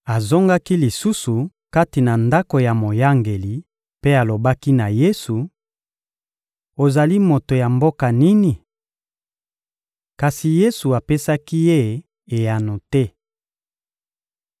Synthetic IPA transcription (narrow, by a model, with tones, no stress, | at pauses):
a˨zo˦ŋɡa˦ki˦li˨su˦su˨ | ka˦ti˨na˨nda˦ko˨ja˨mo˨ja˦ŋɡe˨li˨ | pe˦a˨lo˨ba˦ki˦na˨je˦su˨ | o˨za˨li˦mo˨to˨ja˨mbo˦ka˨ni˦ni˨ | ka˨si˨je˦su˨a˨pe˦sa˦ki˦je˦ | e˨ja˨no˨tɛ˦